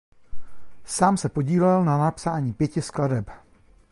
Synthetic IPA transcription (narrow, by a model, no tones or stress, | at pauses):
saːmsɛpo̞ɟiːlɛlnanapsaːɲiːpjɛcɪskladɛp